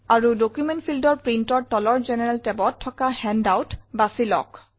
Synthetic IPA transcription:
aɹudokjumɛntpʰildɔɹpɹintɔɹtɔlɔɹzɛnɛɹɛltɛbɔtʰːɔkahɛndawtbasilɔ̰k

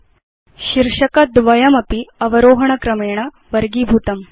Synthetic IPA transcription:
ʃiɾʂɐkɐd̪ʋɐjɐmɐpiɐʋɐɾoːɦɐɳ̃ɐkɾɐmeːɳ̃ɐ | ʋɐɾɡiːbʱuːt̪ɐm

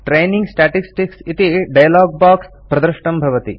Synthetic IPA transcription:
ʈɾejnĩŋɡsʈaːʈisʈiksit̪iɖɐjɐlaːɡ̚baːks | pɾɐd̪ɐɾʃɳɐmbʱɐʋɐt̪ḭ

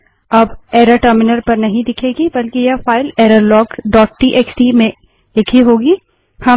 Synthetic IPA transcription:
ɐbeːɾɐʈəɾmɪnəɾpɐɾnɐɦĩd̪ɪkʰeːɡibɐlkijɐfaːɪleːɾəɾlɔːkɖɔːʈ̚ʈiːʔeksʈimẽ | d̪ɪkʰiɦoːɡiː | hɐ

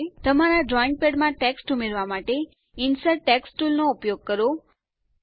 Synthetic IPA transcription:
t̪əmaɾaɖɾɔiɳ̚peɖmãʈeksʈumeɾʋamaʈe | ɪnsəʈeksʈulnoupjoɡ̚kəɾo

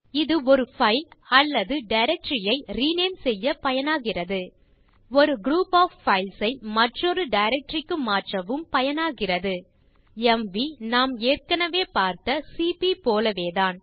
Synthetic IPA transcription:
ɪðɯɔɾɯfɐɪlɐlːɐðɯɖɐɪɾɛk̚ʈɾɪjɐɪɾiːneːmsɛjːɐpɐjɐnaːɣɪrɐðɯ | ɔɾɯɡɾuːpaːffɐɪlsɐɪmɐʈrɔɾɯɖɐɪɾɛk̚ʈɾɪkːɯmaːʈrɐʋɯmpɐjɐnaːɣɪrɐðɯ | ɛmʋinaːmeːrkɐnɐʋeːpaːɾt̪ɐsipipoːlɐʋeːðaːn

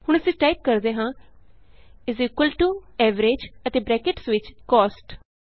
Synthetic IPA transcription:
hʊɳ̃əsĩːʈaːip̚kəɾd̪eːɦãː | ɪziːkwəlʈuːɛːʋəɾeːd͡ʒət̪eːbɾɛːkɪʈsʋɪt͡ʃkɔːsʈ

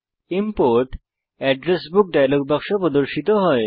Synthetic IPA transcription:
impoɾʈ | ɛɖɾesbuk̚ɖajloɡ̚bakʃopɾod̪oɾʃit̪oɦɔe

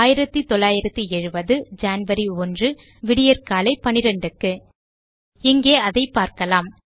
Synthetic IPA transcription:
jɪɾɐt̪ːɯt̪ɔlːaːjɪɾɐt̪ːɯɛɻɯbɐðɯd͡ʒaːnʋɐɾiɔndrɯ | ʋɪɽɪjɐɾkaːlɐɪpɐnɪɾɛɳɖɯkːɯ | ɪŋɡeːɐðɐɪpːaːɾkɐlaːm

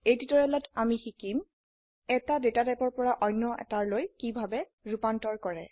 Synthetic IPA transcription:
ejtitɔɹɛlɔtamixikim | ɛtadetatajpɔɹpɔɹaʔɔjnːɔʔɛ̰taɹlojkibʱabɛ | ɹupantɔɹkɔɹɛ

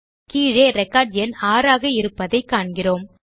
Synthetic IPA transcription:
kiːɻeːɾɛkːaːɾɖɪjɐnaːɾaːɣɐɪɾɯpːɐðɐɪkːaːɳɡɪroːm

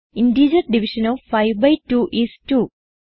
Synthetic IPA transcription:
inɖiːd͡ʒɐɾɖiʋiʃɐ̃nɔːʋfɐjʋbɐjtuːʔistuː

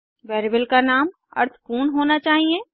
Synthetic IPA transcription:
ʋɛːɾibəlkanaːm | ɐ̰ɾt̪ʰkuːnɦoːnat͡ʃaːɦie

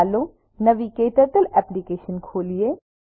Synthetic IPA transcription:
loː | nɐʋikeːʈəɾt̪əlɛːplikeːʃənkʰoːlieː

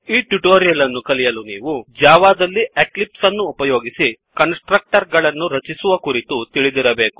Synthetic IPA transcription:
iːʈuʈoːɾijɐlɐnːukɐlijɐluniːʋud͡ʒaːʋaːd̪ɐlːieklipsɐnːuːpɐjoːɡisi | kɐnsʈɾɐk̚ʈɐɾɡɐɭɐnːuɾɐt͡ʃisuʋɐkuɾit̪ut̪iɭid̪iɾɐbe̞ːku̥

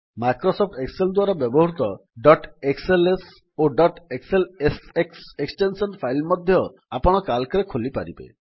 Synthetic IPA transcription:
majkɾɔsɔp̚ʰʈekseld̪waɾɔbjɔbɔɦɾut̪ɔɖɔʈekseles | oɖɔʈekselesekseksʈensɔnpʰajlmɔd̪ʱjɔ | apɔɽ̃ɔkalkɔɾekʰolipa̰ɾḭbḛ

